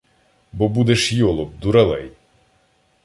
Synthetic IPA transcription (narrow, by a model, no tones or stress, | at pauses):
bɔbud̪ɛʃjɔlˠɔp̚d̪uɾɛlˠɛ̰j